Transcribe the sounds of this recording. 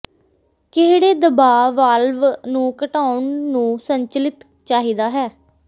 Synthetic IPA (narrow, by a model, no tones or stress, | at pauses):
kɪɦɽeːd̪əbaːʋaːlʋnũːkəʈaːʊɳːũːsəɲt͡ʃəlɪt̪ | t͡ʃaːɦiːd̪aːɦɛː